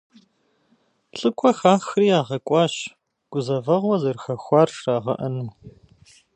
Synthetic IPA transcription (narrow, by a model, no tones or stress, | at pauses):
ɬʼɨkʷʰʼɔxaːxriːjaːʁɐkʷʼɑːɕ | ɡ̥ʷʊzɐvɐʁʷɔzɐrxɐxʷɑːrraːʁɐ̰ʔɐnuː